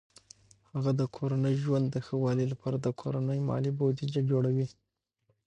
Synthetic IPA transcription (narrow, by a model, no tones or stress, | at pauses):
haɣad̪əkʰoɾanəjʒwand̪ːəxəwɑlilapʰɑɾad̪əkʰoɾanəjmɑ̰libod̪id͡ʒad͡ʒoɽawi